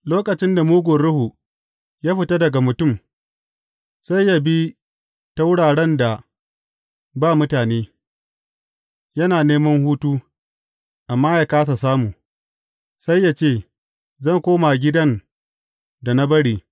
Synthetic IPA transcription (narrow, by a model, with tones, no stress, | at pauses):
loː˦kʼɐ˨t͡ʃɪ˦nda˨muː˦ɡʷʊ˨ɽʊ˦hu˨ | jaː˦ɸɪ˨ta˦dɐ˨ɡa˨mʊ˨tʊ˦˨m | sa˦jːa˦bi˦ | ta˦wʊ˦ɽaː˨ɽɛ˦nda˨ | baː˦˨mʊ˦taː˨neː˦ | jɐ˦naː˨neː˦mɐ˦ŋhuː˦tuː˦ | ʔa˨mːaː˦jaː˦kaː˦sa˨saː˦muː˨ | sa˦jːa˦t͡ʃeː˦˨ | zɐ˦˨ŋkʷoː˦ma˨ɡʲɪ˦dɐ˦n | da˨na˦bɐ˦ɽiː˨